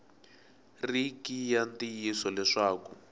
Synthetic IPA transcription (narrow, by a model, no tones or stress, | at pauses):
rikijantijisɔlɛʂaːku